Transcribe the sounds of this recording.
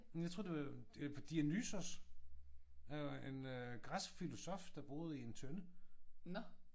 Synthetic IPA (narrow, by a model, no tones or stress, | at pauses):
jɑɪt͡sʰʁo̰ɐd̥eḁpd̥iænysos | æjenɡ̥ʁasfilo̝sɒ̽fd̥ɑ̈b̥o̝ːð̞ˠie̝nt͡sʰønən